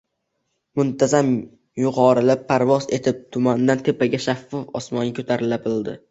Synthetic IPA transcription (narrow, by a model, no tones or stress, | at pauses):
mʊnt̪ʰazam | jʊqɒɾɪlɪpʰːaɾvɒze̞t̪ʰɪp̚t̪ʰʊmand̪ant̪ʰe̞paɡʲaʃafːɒfɒsmɒnɪkʰʲɵt̪ʰaɾɪlabɪld̪ɪ